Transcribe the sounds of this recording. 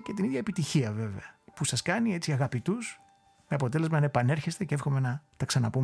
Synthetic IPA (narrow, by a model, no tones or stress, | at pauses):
ce̞t̪iniðʝɐepit̪içiɐve̞ve̞̰ɐpusɐskɐnie̞t͡siɐɣɐpit̪us | meɐpo̞t̪e̞le̞zmɐnepɐne̞ɾçe̞st̪eceefxo̞me̞nɐt̪ɐksɐnɐpum